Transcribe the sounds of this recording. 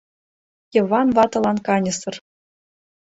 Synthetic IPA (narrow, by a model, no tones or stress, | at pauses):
jɤ̆vɑnvɑt̪ɤ̆lˠɑnkɑnʲɤ̆sɤ̆r